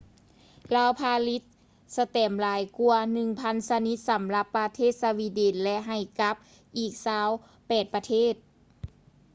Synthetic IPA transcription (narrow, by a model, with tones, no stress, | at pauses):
laː˧wpʰaː˧li˧˦˥t̪̚ | sa˧t̪ɛː˨˩mlaː˨˦jku˧ɐnɯ˨˩ŋpʰa˧˥nsa˧ni˧˦˥t̪̚sa˨˩˦mla˧˥pːa˧t̪ʰeː˥˩t̪̚sa˧wi˧˩deː˨˩nlɛ˧ʔɦa˨˩jka˧˦˥p̚ | ʔiː˨˩k̚saː˧˥w | pɛː˨˩t̪̚pa˧t̪ʰeː˥˩t̪̚